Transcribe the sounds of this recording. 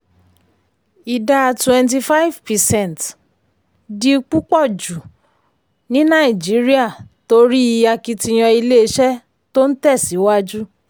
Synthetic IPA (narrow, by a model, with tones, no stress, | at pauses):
i˨da˧twɛ̃˨˧nt̬i˧fa˦i˦vpɛ˨sɛ̃˦˨n˨t | di˧k͡pu˦k͡pɔ˦˨d͡ʒu˨ | nĩ˦nã˦˨i˨d͡ʒi˨˦ɾi˦a˦˨to˧ɾi˦˧a˧ki˧ti˧j̃ɔ̃˧i˧le˦ʃɛ˦ | to˦n̩˦tɛ˦˨si˨˦wa˦d͡ʒu˦